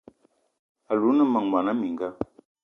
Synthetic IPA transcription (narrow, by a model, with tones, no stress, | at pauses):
a˨lu˨˦nə˦mə˨ŋwa˨na˦mi˨ŋɡa˦